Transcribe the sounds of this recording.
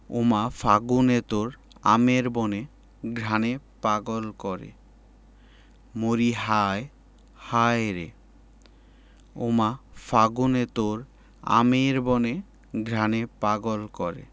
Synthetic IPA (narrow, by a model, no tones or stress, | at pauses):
o̰mafaɡunet̪oɾ | a̰meɾbone | ɡʱɾanepaɡolkɔɾḛ | moɾiɦae | haɾḛ | omafaɡunet̪oɾ | a̰meɾbone | ɡʱɾanepaɡolkɔɾḛ